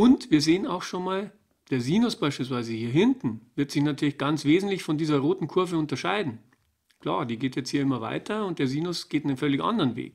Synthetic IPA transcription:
ʔʊntv̥iːɐzeːənaʊxʃoːnmaːl | d̥eːɐziːnʊsb̥aɪʃpiːls̬v̥aɪzəhiːɐɦɪntn̩v̥ɪɐtz̥ɪçnatʰyːɐlɪçɡ̥ant͡sv̥eːzn̩tlɪçfɔndiːzɐʁoːtn̩kʰʊɐvəʊntɐʃaɪdn̩ | kl̥a̰ːɐdiːɡeːtjɛt͡sthiːɐɪmɐva̰ɪtʰɐʊnt̚d̥eːɐziːnʊsɡ̥eːtnənfœlɪçʔa̰ndəʁənvḛːk

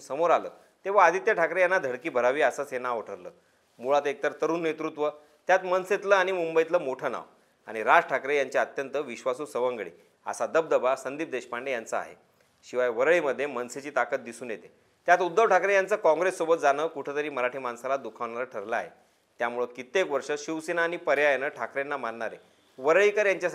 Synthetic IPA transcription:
səmoɾalə̰ː | t̪eʋ̤aːd̪ʱit̪jəʈʰakɾejanːad̪ʱəɽkiːbʱəɾaʋiːasəːsenaoʈʰəɾlə̰ː | muɭat̪ːek̚t̪əɾt̪əɾuːnːet̪ɾut̪ʋə | t̪jat̪mənset̪ləaɽ̃imumbəit̪ləːmoʈʰəna̰ʋ | a̰ɽ̃iɾad͡ʑʈʰakɾejaɲt͡ɕeət̪jənt̪əʋiɕʋasuːsəʋəŋɡɭḭː | a̰sad̪əb̚d̪əbasənd̪iːp̚d̪eɕpaɳɖejant͡səa̰ɦḛ | ɕiʋajʋəɾɭiməd̪ʱːjemənset͡ɕiːt̪akət̪̚d̪isuːnjet̪e | t̪jat̪ud̪ːəʋʈʰakɾejant͡səkɔ̃ŋɡɾesːobət̪̚d͡zanəːkuʈʰet̪əɾiːməɾaʈʰiːmansalad̪ukʰaʋɳaɾaʈʰəɾləa̰ɦḛ | t̪jamuɭət̪kit̪eːkʋəɾʂəɕiʋsenaːɽ̃ipəɾjajanəʈʰakɾanːamanːaɾḛ | ʋəɾɭikəɾjaɲt͡ɕja

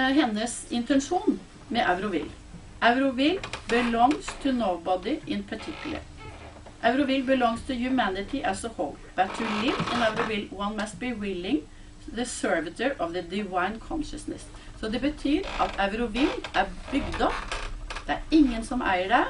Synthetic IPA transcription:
ɦɛnːəsɪnt̪ʰɛnʂuːn | mɛʔævɾʊʋɪ̰l | ʔæɾʊʋɪlbəlɔŋst̪ʰɪnoʊbɑd̪ɪʔɪnpʰɑʈʰɪklə̰ɾ | ʔæʋɾʊʋɪlbəlɔŋst̪ʰɪjʉmænɪt̪ʰɪʔæsəhɔʊlb̥æt̪ʰʊlɪʋɛ̃næʋɾʊʋɪlwɑnmɑst̪̚bɪwɪlɪŋ | ðəsœɹʋət̪əɹʔɔʋðəd̪ɪʋaɪnkʰɔnʃəsnə̰s | sɔd̪ɛbət̪ʰyːɾʔɑt̪ʰæɾʊʋɪlʔæbʏɡd̪əd̪̥ɛæɾɪŋːənsɔmæ̰ɪəɖæ

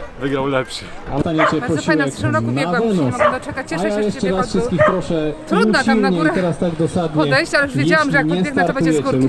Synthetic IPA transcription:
vɘɡɾawlɛpɕiast̪aɲɛt͡ɕɛpɔɕiwɛknavɛnɔajajɛʂt͡ʂɛɾasfʂɨst̪kʲixpɾɔʂɛuɕilɲɛit̪ɛɾast̪aɡd̪ɔsad̪ɲɛjɛʂɛɲɛst̪aɾt̪ujɛt͡ɕɛlu

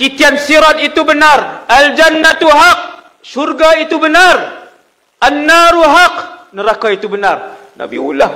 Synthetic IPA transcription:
kit̪iansiɾat̪̚it̪ubənarald͡ʒanːat̪uɦaq̚ | ʃurɡait̪ubənar | ʔanːaɾuɦaqnəɾakait̪ubənar | na̰bḭṵlah

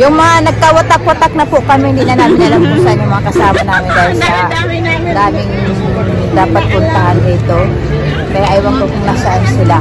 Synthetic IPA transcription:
jʊŋmɐŋanɐɡ̚kawɐt̪akwɐt̪ak̚nɐpʊʔkɐmɛhɪnd̪iʔnɐnaːmɪnʔɐlɐŋpʊsanjʊŋmɐŋakɐsaːmɐnaːmɪnd̪aːhɪlsɐ | d̪aːɡɪŋ | d̪aːpɐt̪̚pʊnt̪ɐɦanʔɪt̪o | kɐjaʔɐjwɐkokʊnasaʔnsɪla

